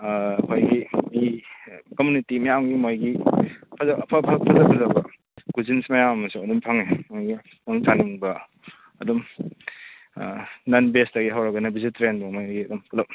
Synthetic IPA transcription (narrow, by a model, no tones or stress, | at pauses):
hʰojɡimikɔmjunitimijawŋɡimojɡipʰazapʰapʰapʰazapʰazabɐ | ɡ̥uzinsmajamɐmɐsuadumpʰaŋemojɡi | naŋt͡ʃaniŋbɐ | ɐdɔm | nanbesdaɡiɦawɾaɡɐnɐbizitɾenbamojɡiɐdumkʰulɐp̚